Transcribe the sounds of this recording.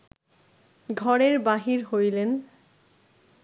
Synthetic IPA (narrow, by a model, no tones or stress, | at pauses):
ɡʱɔɹeɹbaɦiɹɦojlen